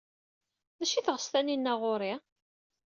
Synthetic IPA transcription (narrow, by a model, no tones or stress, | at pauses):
ðæʃiθəʁəst̪æninːæʁʊɾi